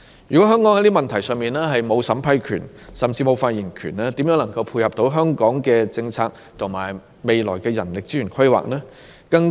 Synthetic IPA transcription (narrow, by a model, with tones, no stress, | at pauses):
jyː˨kɔ˨˥ɦœː˥ŋkɔ˨˥ŋhɐ˧˥jt̪i˥mɐ˨nt̪ʰɐ˨˩jsœː˨˧ŋmiː˨nɛː˥ɦɐ˨jmo˨˧wsɐ˨˥mpʰɐ˧jkʰy̰ː˨˩nsɐ˨mt͡siː˧mo˨˧wfaː˧t̚ji˨˩nkʰyː˨˩nɛː˥t̪i˨˥mjœː˨˧˥ŋlɐ˨˩ŋkɐ˧wpʰuː˧jhɐ˨p̚t̪o˨˥wɦœː˥ŋkɔː˨˥ŋkɛː˧t͡sɪ˧ŋt͡sʰaː˧k̚ | t̪ʰʊ˨˩ŋma̰ː˨˩j | me˨jlɔː˨˩jkɛː˧jɐ˨˩nlɪ˨k̚t͡si˥ɥyː˨˩kʰɐ˥jwa̰ː˨˩k̚nɛː˥kɐ˧ŋ